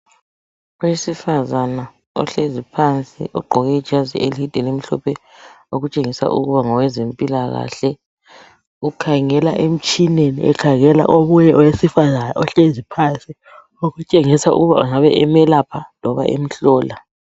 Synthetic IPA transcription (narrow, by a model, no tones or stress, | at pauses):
ɔwesifazana | ɔ̰ɬezipʰant͡sʼḭʔɔɡ͡ǃʱɔɣɛi̥ʒ̥ʱazḭʔelidʼʱɛlem̩ɬɔ̰pʰɛ | oɣut͡ʃʼeŋisa̰ʔṵɣuβaŋɔwɛzempʼilaɣa̰ɬɛ | ukʰaŋɛlaʔem̩t͡ʃʼinenḭɛ̰kʰaɣɛla̰ʔoɣujɛʔɔwesifazanaʔɔɬezipʰant͡sʼi | oɣut͡ʃʼeŋisaṵɣuβa̰uŋaβɛʔɛmɛlapʰanɔβaʔḛm̩ɬɔːla